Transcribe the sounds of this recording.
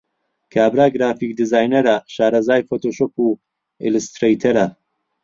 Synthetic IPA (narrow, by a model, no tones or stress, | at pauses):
kʰaːbɾaːɡɾaːfik̚d̪izaːjnɐɾɐʃaːɾɐzaːjfot̪ʰoːʃoːpu | ḭlust̪ɾejt̪ʰɐɾɐ